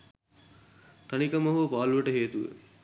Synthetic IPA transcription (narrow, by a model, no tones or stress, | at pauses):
t̪ɐnikɐmɐɦupaːluʋəʈəɦeːt̪uʋə̰